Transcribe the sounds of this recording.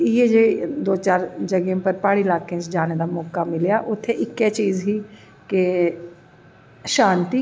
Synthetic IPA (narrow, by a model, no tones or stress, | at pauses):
jeːd͡ʒed̪oːt͡ʃaːɾd͡ʒəɡẽpəɾpaːɽilaːkẽːt͡ʃd͡ʒaːneːd̪aːmɔːkaːmɪljaːʔʊt̪ʰːeʔɪkːeːt͡ʃiːzɦiː | ke | ʃãːnt̪iː